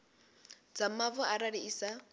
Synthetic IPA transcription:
d͡zamavɔʔaɾaɺiiːsa

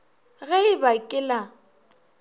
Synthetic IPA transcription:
ɣɛɪbakʼɪla

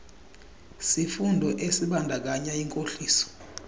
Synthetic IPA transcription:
sifundʱɔʔesiɓandʱak̬aɲaiŋkʼoɬiːsɔ̥

